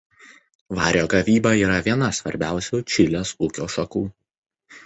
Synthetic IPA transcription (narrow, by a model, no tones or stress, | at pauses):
ʋɑːɾʲoːɡɐʋʲiːbɐiːɾɐʋʲiɛnɐsʋɐɾʲbʲæˑʊsʲuːt͡ʃʲɪlʲeːsuːkʲoːʃɐkuː